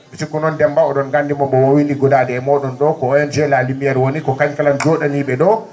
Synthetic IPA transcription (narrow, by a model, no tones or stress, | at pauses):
bisikunɔndɛmbaɔɗɔnɡandimɔmbɔwowiniɡɔdadɛɛmɔːɗɔnɗɔkɔɔjɔnd͡ʒɛlaːlimijaɾwonikɔkaɲkaland͡ʒɔɗaniɓɛɗɔ